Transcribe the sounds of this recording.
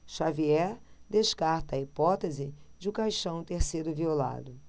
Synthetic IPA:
ʃaviɛɾd̪eʃkaɾt̪ɐːipɔt̪ezɪd͡ʒɪʊkajʃɐ̃w̃t̪eɾsed̪ʊviola̰d̪ʊ

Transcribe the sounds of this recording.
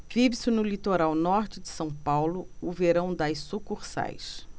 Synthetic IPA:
vibsɪnʊlit̪oɾawnɔɾt͡ʃɪd͡ʒɪsɐ̃w̃pawlʊʊveɾɐ̃w̃d̪ajssukuχsa̰js

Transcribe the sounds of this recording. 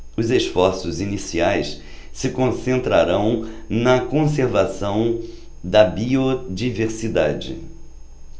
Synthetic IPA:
ʊzesfɔɾsʊzinisiajs | sɪkõsẽnt̪ɾa̰ɾɐ̃w̃nɐkõseɾvasɐ̃w̃ | d̪ɐbiod͡ʒiveɾsid̪ad͡ʒɪ̰

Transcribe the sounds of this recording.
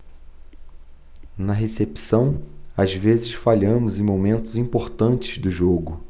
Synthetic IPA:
nɐɦesepsɐ̃w̃azvezɪsfaʎɐ̃mʊzẽj̃momẽnt̪ʊzĩmpoɾt̪ɐ̃nt͡ʃɪ̥zd̪ʊʒoɡʊ

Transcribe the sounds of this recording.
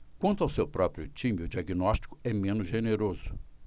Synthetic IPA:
kwɐ̃nt̪ʊawsewpɾɔpɾiʊt͡ʃĩmɪʊd͡ʒiaɡinɔsʃt͡ʃi̥kʊ̥ɛmẽnʊzʒeneɾozʊ

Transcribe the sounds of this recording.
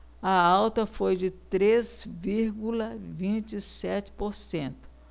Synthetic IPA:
ɐawt̪ɐfojd͡ʒɪt̪ɾezviɾɡulɐvĩt͡ʃɪsɛt͡ʃɪ̥poɾsẽnt̪ʊ̥

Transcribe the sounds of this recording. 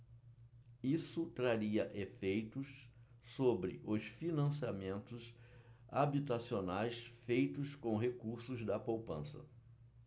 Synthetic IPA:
isʊt̪ɾaɾiɐʔefejt̪ʊs | sobɾɪ̰ʔʊsfinɐ̃siamẽnt̪ʊsabit̪asionajsfejt̪ʊskõw̃ɦekuɾsʊzd̪ɐpowpɐ̰̃sɐ̰

